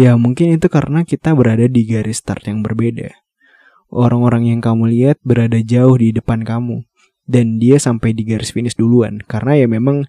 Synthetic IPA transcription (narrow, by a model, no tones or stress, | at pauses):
jamuŋkɪnit̪ukaɾənakit̪abəɾadadiɡaɾɪst̪a̰rt̪jaŋbərbeda̰ | ʔoɾaŋoɾaŋjaŋkamuliat̪̚bəɾadad͡ʒaʊhdidəpankamu | dandiasampajdiɡaɾɪsfinɪsdulua̰nkaɾənajamemaŋ